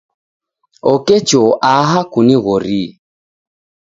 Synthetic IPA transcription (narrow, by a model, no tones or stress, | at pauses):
ɔkɛt͡ʃɔʔaɦakuniɣɔɾi